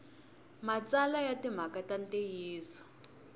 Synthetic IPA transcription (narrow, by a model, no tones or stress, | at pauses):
mat͡salajatim̤akatantejiːsɔ̥